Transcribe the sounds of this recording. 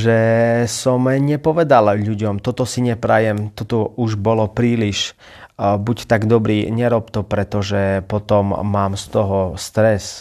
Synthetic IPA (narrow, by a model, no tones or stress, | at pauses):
ʒɛsɔmɲɛpɔʋɛd̪alʎuɟɔmt̪ɔt̪ɔsiɲɛpɾajɛmt̪ɔt̪ɔuʒbɔlɔpɾiːliʃ | buct̪aɡd̪ɔbɾiːɲɛɾɔp̚t̪ɔpɾɛt̪ɔʒɛpɔt̪ɔmːaːmst̪ɔɦɔst̪ɾɛs